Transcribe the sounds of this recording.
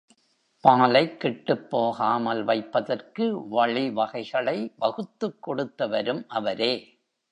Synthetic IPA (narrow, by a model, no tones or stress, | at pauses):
paːlɐɪkːɪʈːɯpːoːɣaːmɐlʋɐɪpːɐðɐrkɯʋɐɭiʋɐɣɐɪɣɐɭɐɪbɐɣɯt̪ːɯkːɔɽɯt̪ːɐʋɐɾɯmʔɐʋɐɾeː